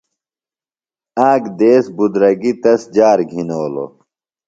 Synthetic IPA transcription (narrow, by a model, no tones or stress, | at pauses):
aːɡd̪eːsbud̪ɾɐɡit̪ɐsd͡ʑaːɾɡʱinoːlo̰